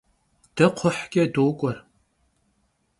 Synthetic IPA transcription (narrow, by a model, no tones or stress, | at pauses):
d̥ɐqʷʰʊħkʲʼɛdoːkʷʼɔr